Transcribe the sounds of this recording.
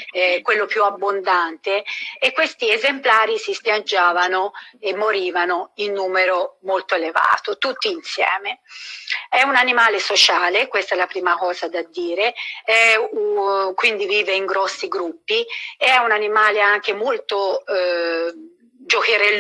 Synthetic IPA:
ɛkːwelːopjuabːond̪ant̪eːkːwest̪iezemplaːɾisispjad͡ʒːaːvanoemːoɾiːvanoinːuːmeɾomolt̪oeleva̰ːt̪ot̪ut̪ːiinsjɛ̰ːme | ɛunanimaːlesot͡ʃaːlekwest̪aɛlːapɾiːmakɔːzad̪ad̪ːiːɾeɛ | kwind̪iviːveiŋɡɾɔsːiɡɾupːiɛunanimaːleaŋk̟emolt̪o | d͡ʒok̟eɾelː

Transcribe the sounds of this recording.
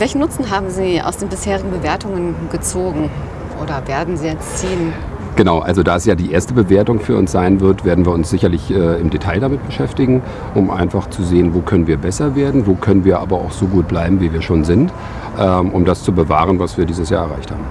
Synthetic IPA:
vɛlçn̩nːʊt͡sn̩ɦaːbm̩ziːʔa̰ʊsd̥eːnbɪsheːʁɪɡŋ̩bəveːɐtʊŋənɡ̥ət͡soːɡŋ̩ | ʔoːdɐveːɐdn̩ziːjɛt͡st͡siːn | ɡ̥ənaʊʔa̰lzodaːɛsjaːdiːʔeːɐstəbəveːɐtʊŋfyːɐʊ̰nsz̥aɪnvɪɐtv̥eːɐdn̩viːɐʊnsz̥ɪçɐlɪçʔɛːɪmdetʰaɪldamɪt̚b̥əʃɛftɪɡŋ̩ | ʔʊmʔa̰ɪnfaχt͡suzeːənvoːkʰœnənviːɐbɛsɐveːɐdn̩voːkʰœnənviːɐʔa̰ːbɐa̰ʊxz̥oːɡuːt̚b̥laɪbm̩viːviːɐʃoːnzɪnt | ʔɛʔʊmdast͡subəva̰ːʁ̞ənvasv̥iːɐdiːzəsjaːɛɐʁa̰ɪçtha̰ːbm̩

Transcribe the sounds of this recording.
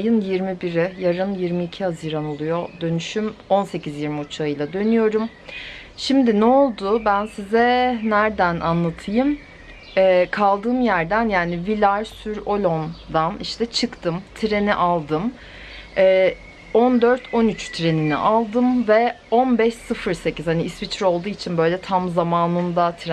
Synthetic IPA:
jɯnjiɾmibiɾɪjaɾɯnjiɾmiːcʰihaziɾano̞lˠujod̪ø̞nyʃymo̞nse̞cʰizjiɾmiut͡ʃʰaɯjlˠad̪ø̞nyjo̞ɾum | ʃimd̪inɛolˠd̪ʊbænsizɛnæɾd̪ænʔa̰nlˠat̪ʰɯjɯm | ɛːkʰalˠd̪ɯːmjæɾd̪ænjaːnivilʲaɾsyɾo̞lʲo̞nd̪aniʃt̪ʰɛt͡ʃʰɯkt̪ʰɯmt̪ʰiɾe̞niʔalˠd̪ɯm | ɛː | ond̪ø̞ɾt̪ʰo̞nyt͡ʃt̪ʰɾe̞ninḭʔalˠd̪ɯmvɛo̞nbɛʃsɯfɯɾse̞ciz̥haniːsvit͡ʃʰɾo̞lˠd̪uːit͡ʃʰinbø̞jlʲɛt̪ʰamzamaːnɯnd̪at̪ʰɾ

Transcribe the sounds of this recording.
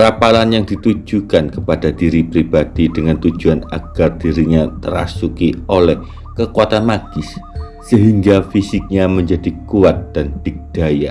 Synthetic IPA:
ɾapalanjaŋdit̪ud͡ʒukankəpadadiɾipɾibad̥idəŋant̪ud͡ʒuana̰ɡ̥ard̥iɾiɲat̪əɾa̰sukiolɛh | kəkuat̪anmaɡ̥ɪsː | əɦiŋɡafisɪk̚ɲaməɲd͡ʒadikuat̪̚d̥and̥ɪk̚d̥aja

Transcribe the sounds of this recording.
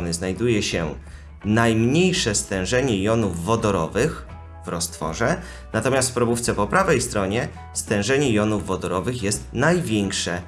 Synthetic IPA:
nɘznajd̪ujɛɕɛ | najmɲejʂɛst̪ɛ̃w̃ʐɛɲɛjɔnuvːɔd̪ɔɾɔvɘx | vɾɔst̪fɔ̰ʐɛ | nat̪ɔmʲast̪fpɾɔbuft̪sɛpɔpɾavɛjst̪ɾɔɲɛ | st̪ɛ̃w̃ʐɛɲɛjɔnuvːɔd̪ɔɾɔvɘxjɛst̪̚najvʲjɛŋkʂɛ

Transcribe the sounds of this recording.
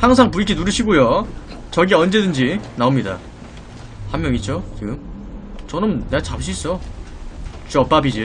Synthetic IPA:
haŋsʰaŋpuikʰinuɾɯɕʰiɡojo | t͡ɕʌɡieʌnd͡ʑe̞dɯnd͡ʑinaomɲida̰ | hamːjʌŋit͡ɕ͈ot͡ɕiɡɯm | t͡ɕʌnɯmneat͡ɕapɕ̬ʰis͈ʌ | t͡ɕuʌp͈abid͡ʑi

